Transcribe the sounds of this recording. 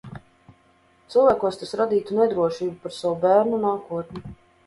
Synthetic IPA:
t̪sɨlˠvʲæːkuɔst̪asɾad̪iːt̪unɛd̪ɾuɔʃiːbupaɾsawubæːɾnunaːkuɔt̪nʲi

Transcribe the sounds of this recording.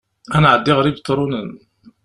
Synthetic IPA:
ænʕəd̪ːiʁəɾibt̪ˤːɾˤun

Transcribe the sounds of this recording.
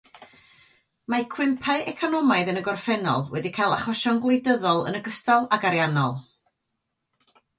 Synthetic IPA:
makʰwɪmpʰaɨʔɛkʰɔnɔmaɨðənəɡɔrfɛnɔ̰lˠwɛdikʰajlˠaχwəʃɔnɡlˠejdəðɔlˠə̰nəɡəstalˠaɡaɾjanɔlˠ

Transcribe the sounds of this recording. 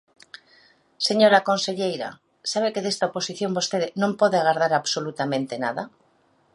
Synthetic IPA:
seɲoɾakõnseʎejɾa̰ | saβekeðest̪aoposiθjo̞mbost̪eðenõmpoðeaɣaɾð̞aɾaβsolut̪amẽnt̪enaða

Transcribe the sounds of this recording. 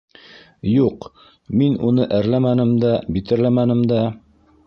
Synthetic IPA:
juq | minunɤʔæɾlæmænɘmd̪æbit̪ɘ̆ɾlæmænɘ̆md̪æ

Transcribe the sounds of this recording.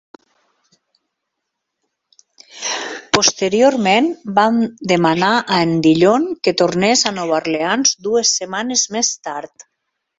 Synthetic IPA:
post̪eɾioɾmenbamd̪emanaʔaend̪iʎoŋket̪oɾnezanɔβarleanzd̪uesːemanezmest̪aɾt̪

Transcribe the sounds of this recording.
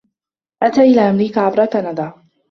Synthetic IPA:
ʔat̪aːʔɪlaːʔamɾiːkaːʕabɾˤɑkanad̪aː

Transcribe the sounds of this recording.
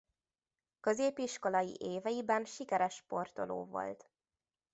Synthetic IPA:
kø̞zeːpiʃko̞lɒjḭʔeːvɛjibɛnʃikɛɾɛʃpo̞rt̪o̞̰lo̰ːvo̞̰lt̪

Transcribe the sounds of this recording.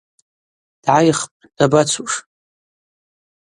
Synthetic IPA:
d̥ʕajχpʼd̥abat͡sʷʰuʂ

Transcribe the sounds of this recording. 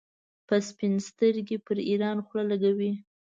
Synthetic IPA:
pəspɪnst̪əɾɡepəɾiɾɑnxlalaɡawi

